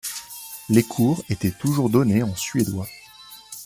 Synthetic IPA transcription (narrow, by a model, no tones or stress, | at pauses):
lekʰuʁet̪ɛt̪uʒuʁd̪ɔneɑ̃sɥed̪wa